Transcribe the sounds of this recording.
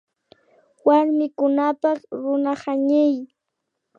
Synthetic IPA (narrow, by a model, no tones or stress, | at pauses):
waɾmɪkʊnapɑχɾʊnahaɲɪj